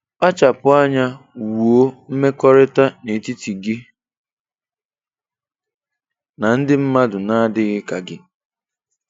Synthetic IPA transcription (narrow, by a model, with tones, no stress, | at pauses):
ɔ˦t͡ʃa˨pʊ˨a˦ɲa˦wu˨o˦m̩˦me˦kɔ˦ɾɪ˦ta˦ne˨ti˦ti˨ɡɪ˦ | na˨n̩˦dɪ˦m̩˦ma˦dʊ˨na˦a˦dɪ˦ɣɪ˦ka˨ɡɪ˦